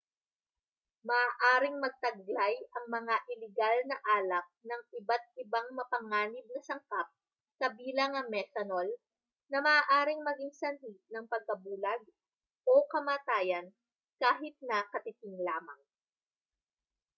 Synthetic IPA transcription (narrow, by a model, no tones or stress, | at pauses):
mɐaːʔaːɾɪŋmɐɡ̚t̪ɐɡ̚lllajʔɐŋmɐŋaʔɪlɪɡalnɐʔaːlɐk̚nɐŋɪbat̪̚ɪbaŋmɐpɐŋaːnɪb̚nɐsɐŋkap̚ | kɐbiːlɐŋɐŋmɛt̪ɐnol | nɐmɐʔaːʔaːɾɪŋmɐɡɪŋsɐnɦinɐŋpɐɡ̚kɐbuːlɐɡ̚ | ʔokɐmaːt̪aːjɐn | kaːɦɪt̪̚nɐkɐt̪ɪt̪ɪŋlaːmɐŋ